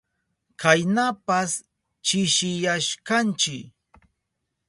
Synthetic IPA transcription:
kajnapas | t͡ʃɪʃɪjaʃkant͡ʃɪk

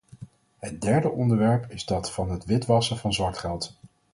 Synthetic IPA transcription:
ɦət̚dɛɹdəʔɔndəɹʋɛɹpʰɪzdɑtfɑnɦətʋɪtʋɑsəvɑnzʋɑɹtχɛlˠt

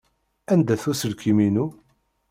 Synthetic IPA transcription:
ænd̪æθusəɾkiminu

